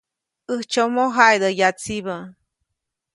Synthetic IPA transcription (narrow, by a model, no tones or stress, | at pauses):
əht͡ʃomoɦajd̪əjat͡siβə